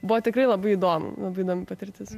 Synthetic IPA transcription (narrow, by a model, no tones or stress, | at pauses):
bʊʋɔt̪ʲɪkɾɐɪlˠɐbɐɪid̪oːmʊ̰lˠɐbɐɪɪd̪oːmʲɪpɐt̪ʲɪɾʲt̪ʲɪs